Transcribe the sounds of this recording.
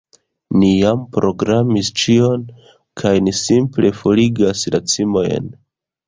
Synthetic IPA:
nijampɾʔo̞ɡɾamist͡ʃio̞n | kʰajnisimple̞fo̞liɡaslat͡simo̞j̰n

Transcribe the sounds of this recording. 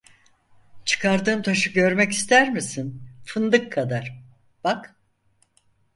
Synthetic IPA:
t͡ʃʰɯ̥kʰaɾd̪ɯːmt̪ʰaʃɯɟø̞ɾmɛci̥st̪ʰæɾmisinfɯnd̪ɯkʰːad̪aɾ̥ | b̥ak

